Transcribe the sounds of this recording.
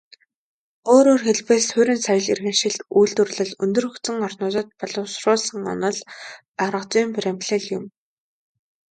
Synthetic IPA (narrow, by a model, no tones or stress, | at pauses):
oːɾoːrxeɮpeːsʰʊɾʲĭnsajə̆ɮirɣɘ̆nʃɪ̆ɮt̪ujɮt̪ɵrɮɘ̆ɮɵnt̪ɵ̆rxɵ̆xt͡sɘ̆ŋɔrnʊːt̪ə̆t̪̚pɔɮɞ̆wsrʊːɮsə̆ŋɔ̰nɞ̆ɮ | aɾʁə̆t͡siːmprem̥pɮɘ̆ɮjʊm